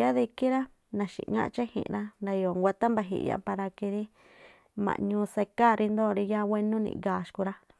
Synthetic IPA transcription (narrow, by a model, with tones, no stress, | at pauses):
ja˦ði˧ki˦ɾa˦ | nã˨ʃḭ˨ŋã̰˦˧t͡ʃa˦hḭ̃˨ʔɾa˦nɾa˧jo˨ŋɡʷa˧t̪a˦mba˧ɦḭ˧˨ʔja̰˧pa˧ɾa˧ki˧ɾi˦ | mã̰˨ɲũː˧se˧ka˦˨ɾi˧nd̪o˦˨ɾi˧ja˦wʷe˧nũ˦nḭ̃˧˨ɡaː˨ʃku˧ɾa˦